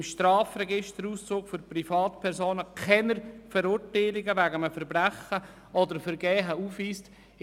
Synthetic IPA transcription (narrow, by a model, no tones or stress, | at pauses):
mʃtɾɑːfɾɛɡɪʃtəɾuːst͡suːkfʏɾprifɑːtpʰɛɾsoːnəkʰɛnəɾfəɾʊɾtaɪlɪɡəʋæɡəməfəɾbɾæχə | ɔdəɾfəɾɡɛːɦəuːfiːst